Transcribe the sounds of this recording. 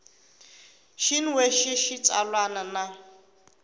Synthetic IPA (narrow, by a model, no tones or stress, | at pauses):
ʃinweʃiʃit͡sʼa̰lwanana